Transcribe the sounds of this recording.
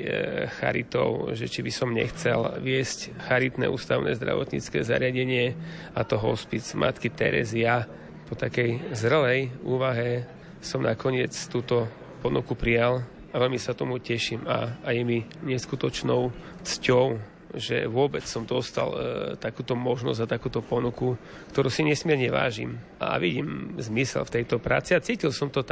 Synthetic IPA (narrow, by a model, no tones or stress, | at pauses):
xa̰ɾḭt̪ɔ̰ʊʒɛt͡ʃibisɔmɲɛ̰xt͡sɛlʋɪɛscxaɾit̪nɛ̰ːʔṵːst̪aʊnɛ̰ːzd̪ɾa̰ʋɔ̰t̪ɲḭt͡skɛ̰ːza̰ɾɪaɟɛɲɪɛ | at̪ɔɦɔ̰spid͡zmʔa̰t̪kit̪ɛ̰ɾɛ̰zia | pɔt̪akɛjzr̩lɛjuːʋaɦɛ | sɔmnakɔɲɪɛt͡st̪uːt̪ɔ | pɔnukupɾijal | aʋɛlmisat̪ɔmucɛʃiːma̰jɛmiɲɛskut̪ɔt͡ʃnɔʊt͡scɔʊ | ʒɛ̰ʋʊɔbɛt͡ssɔmd̪ɔst̪a̰lt̪akuːt̪ɔmɔʒnɔ̰zat̪akuːt̪ɔpɔnuku | kt̪ɔɾusiɲɛsmɪɛɾɲɛʋa̰ːʒḭma̰ʋiɟiːmzmisɛ̰lft̪ɛjt̪ɔpɾa̰ːt͡siat͡siːcilsɔmt̪ɔt̪